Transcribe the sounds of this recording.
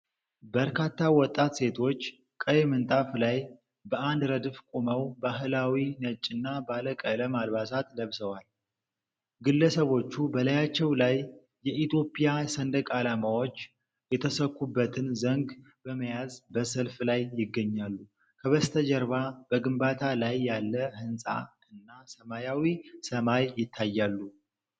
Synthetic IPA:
bəɾkʰat̪ʰːawɔt̪ʼːat̪se̞t̪ʰo̞t͡ʃː | kʼəjmɨnt̪ʼaflaj | bəʔand̪ɾəd̪ɨfkʼuməwbaɦɨlawinət͡ʃʼːɨnːabaləkʼələmalβasat̪ləβsəwal | ɡɨlːəsəβo̞t͡ʃːubəlajat͡ʃːɛwlajː | ɛʔit̪ʰjo̞pʼijasənd̪əkʼalamawo̞t͡ʃː | jɛt̪ʰəsəkːubːət̪ʰɨnzəŋɡ | bəməjazbəsəlflajːɪɡːəɲːalːu | kʰəβəst̪ʰəd͡ʒəɾβab̥əɡɨmbat̪ʰalajːalːəhɨnsʼa̰ | ɨnːasəmajawisəmajːɪt̪ʰːajːalːu

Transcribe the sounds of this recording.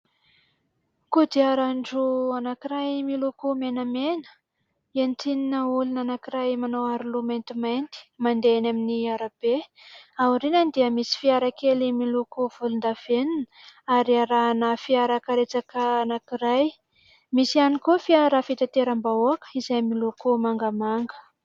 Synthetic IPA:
kud̪iaɾaɳɖ͡ʐuanakiɾajmilukumenəmenə̥ | ent̪ininəulunanakiɾajmanowaɾulumajnt̪imajnt̪i̥mand̪enaminiaɾab̥eauɾinənd̪iəmisi̥fiaɾakelimilukuv̥ulund̪av̥enin | aɾiaɾanafiaɾakaɾet͡sakəanakiɾaj | misianikufiaɾafit̪at̪eɾambaoakə̥izajmilukumaŋɡəmaŋɡə̥

